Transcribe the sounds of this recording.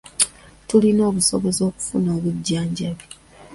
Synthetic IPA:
tulino̞ːβuso̞βo̞zo̞ːku̥fṵnoːβuɟːaːɲɟaβi

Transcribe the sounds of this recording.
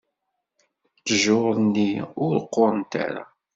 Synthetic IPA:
t͡sːəʒoˤnːiʊɾəqːoɾˤənt̪a̰ɾa̰

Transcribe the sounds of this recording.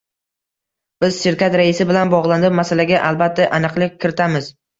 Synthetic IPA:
b̥ɪz̥ʃɪɾkʲat̪ɾaɪsɪbɪlanbɒʁlˠand̪ɪmasalaɡʲaʔalbat̪ʰːaʔanɨqlˠɪk̚ʲʰːɪɾɪt̪ʰamɪz̥

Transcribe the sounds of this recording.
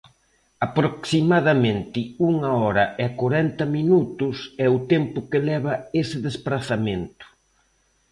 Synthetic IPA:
apɾoksimað̞ɐmẽnt̪ɪuŋɐɔɾɐʔɛakoɾɛnt̪ɐminut̪ʊsɛʊt̪empʊkɪlɛβ̞ɐesɪðespɾaθamẽnt̪ʊ̥

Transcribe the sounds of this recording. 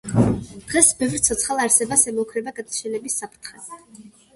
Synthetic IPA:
d̪̥ʁɛsbɛvɾt̪sʰɔt̪sʰχalˠaɾsɛbasɛmɔukʰɾɛbaɡad̪at͡ʃʰɛnɛbisːapʰɾt̪ʰχɛ

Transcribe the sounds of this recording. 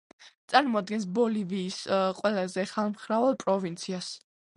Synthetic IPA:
t̪sʼaɾmɔad̪̚ɡɛns̬bɔliviːsqʼwɛlˠazɛχalˠmχɾavalˠpʼɾɔvint̪sʰias

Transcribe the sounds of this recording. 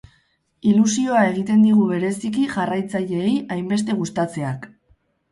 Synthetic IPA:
ilusio̞ae̞ɣ̞it̪e̞nd̪iɣ̞uβe̞ɾe̞sikiʝarajt͡saʎe̞ːjajmbe̞st̪e̞ɣ̞ust̪at͡se̞ak

